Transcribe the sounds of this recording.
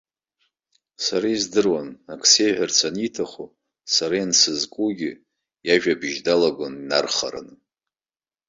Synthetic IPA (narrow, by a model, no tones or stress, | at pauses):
saɾaizdɨrwanakʰʼsejħʷᶣart͡sʰanitʰaχu | saɾajansɨzkʷʼuɡʲɪ | jaʒᶣabɨʒdalaɡʷʊnːa̰rχa̰ɾa̰nɨ